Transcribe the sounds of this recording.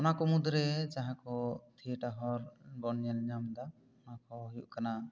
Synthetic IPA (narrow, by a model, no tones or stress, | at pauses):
ɔnakɔmud̪ɾɛd͡ʒaɦãkɔt̪ʰiʈaɦɔɾɡɔnɲɛlɲamd̪a | ɔnakɔɦjuʔkana